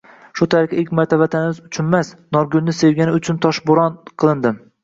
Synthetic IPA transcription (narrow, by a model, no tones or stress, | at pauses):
ʃʊt̪ʰaɾɪkʰʲaekʲmaɾt̪ʰavat̪ʰanɪmɪzʊt͡ʃʰʊnmasnɒɾɡʊlnɪse̞vɡʲanɪʊt͡ʃʰʊnt̪ʰɒʃbʊɾɒnqʰɨlˠɪnd̪ɪm